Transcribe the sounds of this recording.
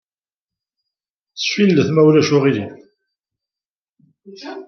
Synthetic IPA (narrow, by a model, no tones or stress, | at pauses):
θfilːəθmæwlæʃʊʁili